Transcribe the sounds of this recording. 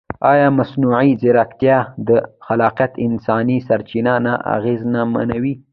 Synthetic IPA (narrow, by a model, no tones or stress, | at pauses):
ɑjɑmasnuʕizɪɾakt̪jɑd̪əxalɑqjat̪ɪnsɑnisaɾt͡ʃinanaʔa̰ɣeznama̰nawi